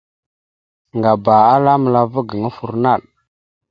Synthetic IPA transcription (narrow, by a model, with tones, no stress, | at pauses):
ŋɡa˨ba˨a˦la˦mə˨la˨və˦ɡə˨ŋa˦fu˨ɾna˦˨l